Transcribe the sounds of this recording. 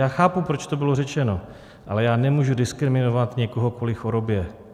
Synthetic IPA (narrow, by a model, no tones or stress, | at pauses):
jaːxaːpupɾo̞t͡ʃt̪o̞bɪlo̞rɛt͡ʃɛno | ʔa̰lɛjaːnɛmuːʒudɪskɾɪmɪnovat̪ɲɛkoɦo̞kolɪxoɾo̞bjɛ